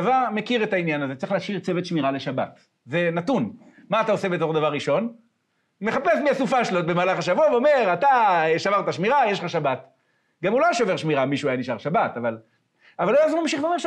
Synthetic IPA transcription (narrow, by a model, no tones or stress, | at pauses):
avaʁmekiʁe̞t̪ainjanazet͡seʁiχlaʃiʁt͡se̞ve̞t̪ʃmiʁale̞ʃabat | ze̞nat̪un | maːt̪aose̞be̞t̪o̞χd̪avaʁːiʃo̞n | me̞χapesmiasufaʃlot̪̚bemaːlaχaʃavuaveome̞ʁat̪aeʃavaʁt̪aʃmiʁajeʃχaʃabat | ɡamulajʃove̞ʁʃmiʁamiʃuajaniʃaʁʃabat̪aval | avalojazolamʃiχvemeʃ